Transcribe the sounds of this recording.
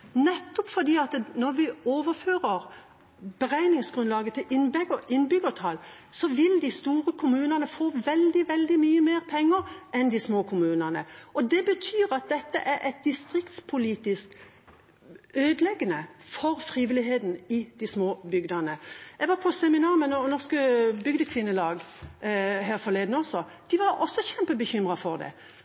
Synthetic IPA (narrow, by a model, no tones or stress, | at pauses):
nɛt̪ːɔpfɔd̪iːɑt̪nɔɾʋɪoːʋəɾføːʁəɾ | bəʁæɪnɪŋsɡ̥ɾʁʉnlɑːɡət̪ʰɪlɪnbɛɡəʔɪnːbʏɡəʈʰɑːl | sɔʋɪld̪ɪst̪uːɾəkʰʊmʉːnɑnəfoːʋɛld̪ɪʋɛld̪ɪmyːəmeːʁpʰɛŋːəɾʔɛnd̪ɪsmoːkʰʊmʉːnənə̰ɔd̪ɛbət̪ʰyːɾɑt̪̚d̪ɛt̪ːə̰ʔæɾʔɛt̪̚d̪ɪst̪ɾɪkt̪spʰʊliːt̪ɪskt̪ | øːd̪lɛɡənəfɔɾfɾiːʋɪlɪɦeːd̪n̩ɪd̪̥ɪsmoːbʏɡd̪ɑnəɛɡʋɑɾpʰɔsɛmɪnɑːʁmɛnnɔskəbʏɡd̪əkʰʋɪnːəlɑːɡ | ɦæːɾfɔleɪːd̪n̩ɔsɔd̪̥ɪʋɑɾɔsːɔçɛmpəbəçʏmʁɑfɔʁd̪ɛ̰